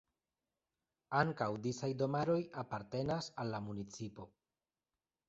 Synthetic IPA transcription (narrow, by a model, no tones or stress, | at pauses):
aŋkawdisajdo̞maɾo̞japaɾte̞nasalːamunit͡sipo̞